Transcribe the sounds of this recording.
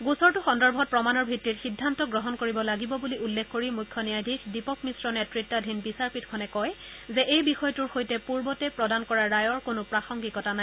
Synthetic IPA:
ɡusɔɹtʊxɔndɔɹbʱɔt̚pɹɔmanɔɹbʱitːitxidʱːantɔɡɹɔɦɔnkoɹibɔlaɡibɔbuliulːekʰkoɹimujkʰːɔnijajdʱikdipɔkmisɹɔnɛtɹitːadʱinbisaɹpitkʰɔnɛkɔjzɛʔejbixɔjtuɹxojtɛpuɹbɔtɛpɹɔdankɔɹaɹajɔɹkonʊpɹaxɔŋɡikɔtana

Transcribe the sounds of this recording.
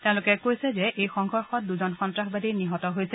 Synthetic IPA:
tẽʊ̃lʊkɛkojsɛzɛʔejxɔŋɡʱɔɹxɔt̚duzɔnxɔntɹaxbadiniɦɔtɔɦojsɛ

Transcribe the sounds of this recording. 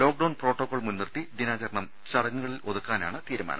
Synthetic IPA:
lo̞ːk̚ɖɐwɳproːʈːokːoːɭmunːirt̪id̪inaːt͡ɕɐɾɐɳɐm | t͡ɕɐɽɐŋːuɣɐɭilʔo̞ðukːaːna̰ːɳɨt̪iːɾuma̰ːnɐ̰

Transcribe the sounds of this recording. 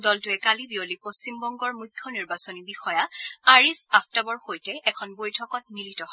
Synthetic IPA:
dɔltʊɛkalibiolipost͡ɕimbɔŋɡɔɹmujkʰjɔniɹbasonibixɔjaaɹisaptabɔɹxojtɛɛkʰɔnbojtʰɔkɔt̚militɔɦɔ

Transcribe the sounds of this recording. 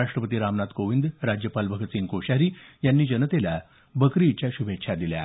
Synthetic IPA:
aʂʈɾəpət̪iːɾamnat̪koʋind̪ɾad͡ʑjəpalbʱəɡət̪siːnkoɕaɾiːjanːiːd͡ʑənət̪ela | bəkɾit͡ɕjaɕubʱekːɕʰad̪ilja̰

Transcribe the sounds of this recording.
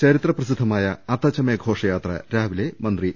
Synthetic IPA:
t͡ɕɐɾit̪rɐprɐsid̪ʱːɐmaːjɐɐt̪ɐt͡ɕːɐmeɡʱo̞ːʂɐjaːt̪rɐ̰ɾaːʋilemɐnd̪ri

